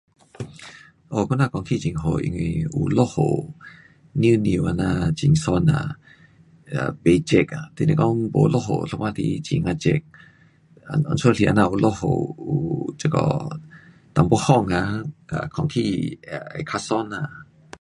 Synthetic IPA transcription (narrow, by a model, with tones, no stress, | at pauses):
ʔo˧˨kʰu˧˦˨na˦˧˨kɔ˨ŋkʰi˧˨t͡ʃi˨ŋɦo˧˨ʔḭ˧ŋi˧u˧lo˦˧ho˨ | ni˦ni˧˨ʔa˧˨na˧˨t͡ʃi˨ŋsɔ˧na̰˨ | a˨be˧˨t͡ʃe˧˨ka˨t̪i˧nĩ˧˨kɔ˧˦ŋbo˧lo˧˨ɦo̰˨lʰo˧ma˧t̪ʰi˧˦t͡ʃi˨ŋa˧t͡ʃe˧˨k̚ | a̰˧˨nɔ̰˧˨nsu˧˦˨lʰi˧ʔa˧˨na˧ʔu˧˨lʔo˦˧ho̰˧˨u˨t͡ʃə˧kɔ̰˧ | t̪a˨ŋbo˧˦hɔ˧˨ŋa˧ka̰˧˨kʰɔ˧˨ŋkʰi˧˨˧a̰˨jkʰa˧sɔ˧˦˨na˧˨